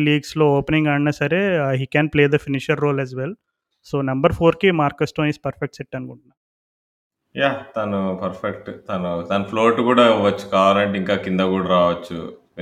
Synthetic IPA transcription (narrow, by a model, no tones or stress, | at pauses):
liːɡsloːoːpniŋɡɐɳnasɐɾeːɦiːkɛːnpleːd̪ɐfiniʃɐɾːoːlɛzʋel | soːnɐmbɐɾpʰoːɾkimaːɾkɐsʈoːnispɐɾfek̚ʈsɛʈːɐnukuɳʈunːaːm | jaːt̪ɐnupɐɾfʰekʈt̪ɐnut̪ɐnupʰloːɾʈukuːɽaʋɐt͡ʃːu̥kaːʋaːlɐɳʈeiŋkaːkind̪ɐkuːɽaːɾaːʋɐt͡ʃːṵ